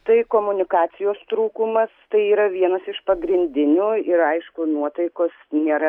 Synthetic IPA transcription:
t̪ɐɪkoːmʊnʲɪkɑːt͡s̪ʲɪjoːst̪ɾuːkʊmɐst̪ɐɪiːɾɐʋʲiɛnɐsɪʃpɐɡɾʲɪnʲd̪ʲɪnʲuːɪɾɐɪʃkʊnuɔt̪ɐɪkoːsnʲeːɾɐ

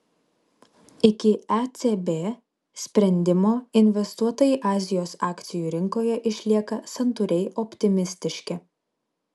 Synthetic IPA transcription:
ɪkʲɪɛt̪ʲebʲeː | sʲpʲɾʲɛnʲd̪ʲɪmoːɪnʲʋʲɛst̪uɔt̪ojɛʔɑːzʲɪjoːsɑːkʲt̪sʲɪjuːɾʲɪŋkoːjɛʔɪʃʲlʲiɛkɐsɐnt̪ʊɾʲɛɪʔɔpʲt̪ʲɪmʲɪsʲt̪ʲɪʃʲkʲɪ

